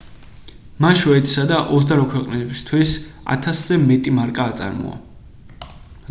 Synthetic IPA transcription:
maʃɔɛt̪ʰi̥sad̪aʔɔsd̪aɾwakʰwɛqʼnibst̪ʰwisa̰t̪ʰasz̥ɛmɛt̪ʼimaɾkʼaːt̪sʼa̰ɾmɔ̰a̰

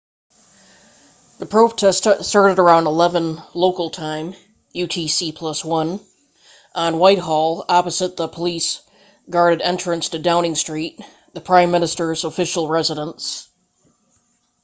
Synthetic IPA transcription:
ðɨpʰɹ̥oʊtʰɛstsə˞ɾɨɾə˞ãʊ̃ndəlɛvə̃nloʊkl̩ˠtʰãɪ̃m | jʉtʰisipʰl̥ʌswʌ̃n | ʔə̃nwaɪt̚ɦɔlˠɑpɨzɨt̪̚ðəpʰəlis | ɡ̥ɑɹɾɨɾɛ̃nt͡ʃɹ̥ɨ̃nstɨdãʊ̃nɪ̃ŋstɹ̥it̪̚ | ðɨpʰɹ̥ãɪ̃mːɪ̃nɨstə˞zəfɪʃl̩ˠɹɛzɨɾə̃ns

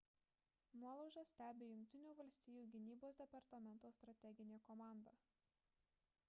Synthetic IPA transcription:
nuɔlˠɐʊʒɐsʲt̪ʲæːbʲeːjʊŋʲk̚ʲt̪ʲɪnʲuːʋɐlʲsʲt̪ʲɪjuːɡʲɪnʲiːboːsd̪ʲɛpɐɾt̪ɐmʲɛnˑt̪oːst̪ɾɐt̪ʲɛɡʲɪnʲeːkɔmɑˑnd̪ɐ

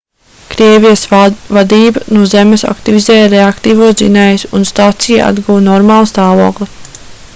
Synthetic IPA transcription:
kɾiɛvijəsvad̪iːbanuɔzemesa̰kt̪ivizɛːjɾeakt̪iːvuɔsd̪inɛːjusunst̪aːt̪sijaa̰d̪ɡuwnɔɾmaːlˠst̪aːvuɔklˠi

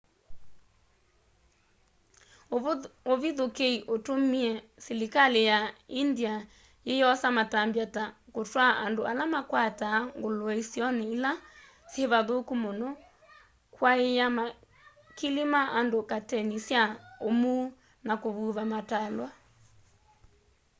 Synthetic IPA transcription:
oβiðokeiʔotomiɛsilikalejaindia | jejɔsamatambjatakotwaʔandoalamakwataːŋɡoloɛisiɔneila | sjeβaðokumonɔ | kwaejama | kilimaʔandokatɛnisjaomu | nakoβuːβamatalwa

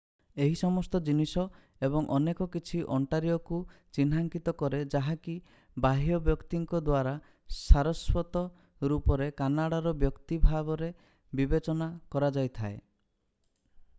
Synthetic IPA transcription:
eɦisɔmɔst̪ɔd͡ʒinisɔ | ebɔŋʔɔnekɔkit͡ʃʰiʔɔɳʈaɾijɔkut͡ʃinɦaŋkit̪ɔkɔɾed͡ʒaɦaki | baɦijɔbjɔkt̪iŋkɔd̪waɾa | saɾɔswɔt̪ɔ | ɾupɔɾekanaɽaɾɔbjɔkt̪ibʱaɡɔɾe | bibet͡ʃɔnakɔɾad͡ʒajt̪ʰae

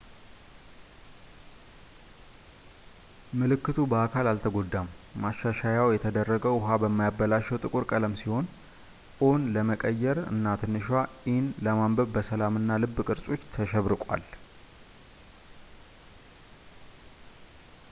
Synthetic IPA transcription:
mɨlɨkːɨt̪ʰubəakʰalalt̪ʰəɡo̞d̪ːamːaʃːaʃajawjɛt̪ʰəd̪ərːəɡəwɦabəmːajabːəlaʃːɛwt̪ʼɨkʼuɾkʼələmsiho̞nʼ | onləməkʼəjːɛɾɨ̰nːat̪ʰɨnːɨʃwaʔɪnləmambəβbəsəlamɨnːalɨbːkʼɨɾsʼo̞t͡ʃːt̪ʰəʃɛβɾɨkʼwa̰l

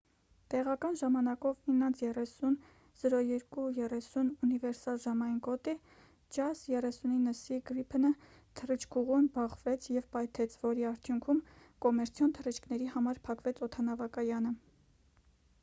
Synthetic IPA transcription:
t̪ɛʁɑkɑnʒɑmɑnɑkɔvinːɑnt͡sʰjɛrɛsun | z̥əɾɔjɛɾkujɛrɛsununivɛɾsɑlʒɑmɑjinkɔt̪i | d͡ʒɑsjɛrɛsuninːəsiɡɾipʰnə | t̪ʰərit͡ʃʰkʰuʁunbɑχvɛt͡sʰjɛvpɑjt̪ʰɛt͡sʰvɔɾiɑɾt̪ʰjuŋkʰumkɔmɛɾt͡sʰjɔnt̪ʰərit͡ʃʰkʰnɛɾihɑmɑɾpʰɑkvɛt͡sʰɔt̪ʰɑnɑvɑkɑjɑnə

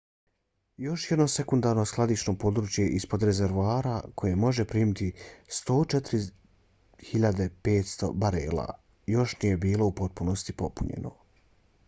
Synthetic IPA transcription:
jo̞ʃjed̪no̞se̞kund̪aːɾno̞sklˠad̪it͡ʃno̞po̞d̪ɾuːt͡ʃjeʔispo̞d̪ɾe̞ze̞ɾʋoaːɾakʰo̞je̞mo̞ʒe̞pɾiːmit̪ist̪o̞ːt͡ʃet̪ɾi | hiʎad̪e̞pe̞ːt̪st̪o̞̰baɾeːla̰ | jo̞ʃnije̞biːlo̞upo̞t̪̚puno̞st̪ipo̞puɲḛno̰

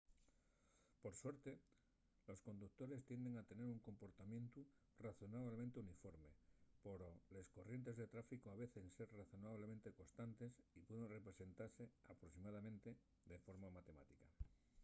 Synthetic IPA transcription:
po̞ɾswe̞ɾt̪e̞ | lo̞sko̞nd̪uk̚t̪o̞ɾe̞st̪je̞nd̪e̞ŋat̪e̞ne̞ɾuŋko̞mpo̞ɾt̪amjẽ̞nt̪u | raθo̞naβlemẽnt̪eunifo̞ɾme̞poɾole̞sko̞rje̞nt̪e̞zðe̞t̪ɾafikoaβe̞θenseɾraθo̞naβ̞lement̪e̞ko̞st̪ant̪e̞sipweðe̞nre̞pɾe̞se̞nt̪aɾse̞apɾosimað̞amẽ̞nt̪e̞ | d̪efo̞ɾmamat̪e̞ma̰t̪ika

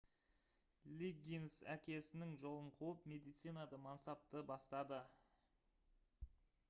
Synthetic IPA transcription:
lʲiɡʲinsæ̰kʲe̞sɪnɪŋʒo̞lˠəɴqʰuwəpme̞d̪ijt̪sijnad̪əmɑnsɑp̚t̪əbɑst̪ɑd̪ə

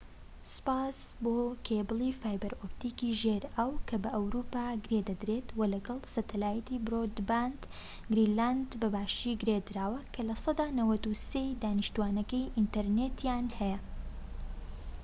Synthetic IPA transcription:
sɨ̥paːsboːkʰebɨlˠifaːjbɐɾopt̪iːkiːʒeɾɐwkʰɐbɐʔɐwɾupaːɡɨɾed̪ɐd̪ɾet̪wɐlɐɡɐlˠsɐt̪ʰɐlaːjɐt̪ibɾod̪band̪ | ɡɾiland̪bɐbaːʃiːɡɨɾed̪ɨɾaːwɐkʰɐlɐsˤɑd̪aːnɐwɐt̪usejd̪aːnɨʃt̪uaːnɐkɐjʔint̪ɐɾnet̪ʰjanhɛjɐ

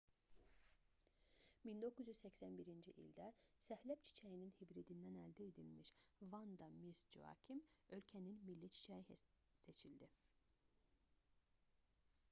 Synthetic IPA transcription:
mind̪o̞kʰuzjyzsæcsænbiɾind͡ʒiʔḭlʲd̪æsæhlæpt͡ʃʰi̥t͡ʃʰæjininhibɾid̪ind̪ænæld̪ied̪ilmiʃvɑnd̪ɑmisd͡ʒṵɑ̰cʰimø̞lcʰæninmilːit͡ʃʰi̥t͡ʃʰæji | se̞t͡ʃʰild̪i

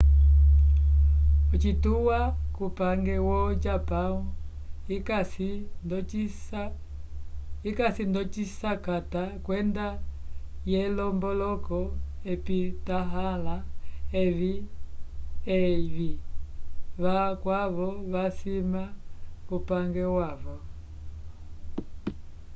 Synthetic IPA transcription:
ɔt͡ʃituwakupaŋɡɛwɔd͡ʒapau | ikasindɔisa | ikasindɔt͡ʃisakatakwɛnda | jɛlɔmbɔlɔkɔɛpitaɦalaɛβi | ɛβi | βakwaβɔβasimaupaŋɡɛwaβɔ

